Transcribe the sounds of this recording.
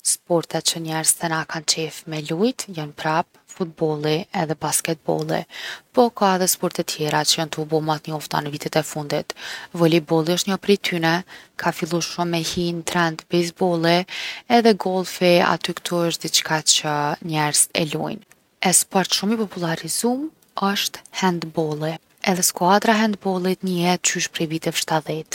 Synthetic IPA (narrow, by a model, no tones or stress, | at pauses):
spɔɾt̪ɛt͡ʃəɲɛɾzt̪ɛnakant͡ʃɛfmɛlujt̪janpɾap̚ | fut̪̚bɔlˠiɛðɛbaskɛt̪̚bɔ̰lˠḭpɔkaɛðɛspɔɾt̪ɛt̪ʰjɛɾat͡ʃəjant̪əubɔmat̪ɲəɔft̪a̰nəvit̪ɛt̪ɛfund̪it̪vɔlibɔlˠiəʃt̪ɲɔpɾit̪ʰynɛkʰafilˠuʃumːɛhint̪ɾɛnt̪bɛjz̬bɔlˠiɛðɛɡɔlˠfia̰t̪ykt̪ʰuəʃt̪̚d̪it͡ʃkʰat͡ɕəɲɛɾz̥ɛ̰lṵjn | ɛspɔɾt̪ʃumipɔpulˠaɾizum | əʃt̪hɛnd̪bɔlˠi | ɛðɛskwad̪ɾaɦɛnd̪bɔlˠit̪ɲəjɛt̪̚t͡ʃyʃpɾɛvit̪ɛfʃt̪aðɛt̪